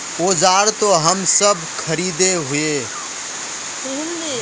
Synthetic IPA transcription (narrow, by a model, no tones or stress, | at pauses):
od͡ʒaːɾt̪oɦəmsəbʱkʰəɾid̪eɦʊe